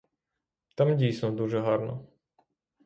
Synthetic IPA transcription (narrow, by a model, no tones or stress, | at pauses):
t̪amdʲijsnɔd̪uʒɛɦɑɾnɔ̰